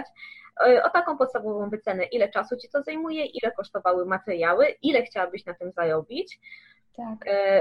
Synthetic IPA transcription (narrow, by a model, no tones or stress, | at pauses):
t͡ɕʔɔt̪akɔ̃w̃pɔt̪st̪avɔvɔ̃w̃vɘt̪sɛnɛʔilɛt͡ʂasut͡ɕi̥t̪ɔzajmujɛʔilɛkɔʂt̪ɔvawɘmat̪ɛɾʲjawɘʔilɛxt͡ɕawabɘɕnat̪ɘmzaɾɔbʲit͡ɕ̪